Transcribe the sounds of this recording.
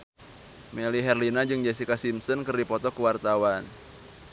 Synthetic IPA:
meliɦɛrlinad͡ʒɨŋd͡ʒas̬ikasimsɔnkɨrdipɔt̪ɔkəwart̪awan

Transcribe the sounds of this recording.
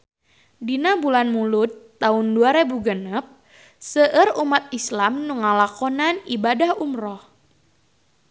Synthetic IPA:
dinabulanmulut̪ːaunduaɾebuɡənəp̚ | səʔərumat̪̚islamnuŋalakɔnanibadahumrɔh

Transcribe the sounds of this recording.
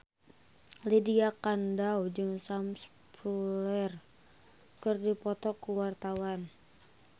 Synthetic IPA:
lidiakandawd͡ʒɨŋsams | pɾulɛr | kɨrdipɔt̪ɔkuwart̪awan

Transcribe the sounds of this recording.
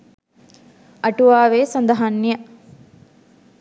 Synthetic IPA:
ʔɐʈuʋaːʋeːsɐnd̪ɐɦɐnːijɐ

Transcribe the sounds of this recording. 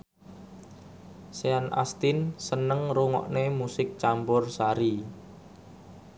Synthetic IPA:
seanʔa̰st̪ɪnsənəŋruŋɔ̰ʔnemusɪk̚t͡ʃampʊrsaɾi

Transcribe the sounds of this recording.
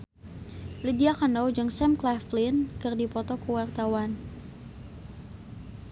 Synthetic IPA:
lidiakanɔwd͡ʒɨŋsɛmklaflinkɨrdipɔt̪ɔkuwart̪awan

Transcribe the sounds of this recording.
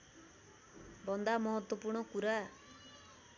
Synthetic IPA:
bʌnd̪amɔɦɔt̪ːwɔpurɳ̃ɔkuɾa

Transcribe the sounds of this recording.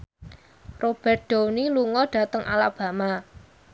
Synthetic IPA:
rob̥ɛ̤rt̪̚ɖ̥oniluŋɔɖ̥a̤t̪əŋʔa̰lab̥ä̤ma

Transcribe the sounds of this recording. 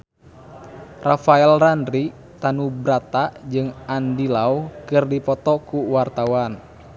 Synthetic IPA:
rafaɛlrandɾi | t̪anubɾat̪ad͡ʒɨŋandilaukɨrdipɔt̪ɔkuwart̪awan

